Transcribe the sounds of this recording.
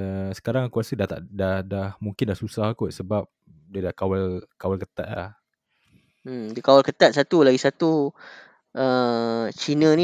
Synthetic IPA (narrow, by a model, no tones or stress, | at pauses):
əsə̥kaɾaŋakuɾasədat̪a̰ʔdahdahmuŋkɪndahsusahakuʔsəbap̚ | dədahkawalkawalkət̪a̰ʔ̪̚la̰h | dəkawalkət̪at̪̚sat̪ulaɡisat̪u | ʔət͡ʃinə̃ni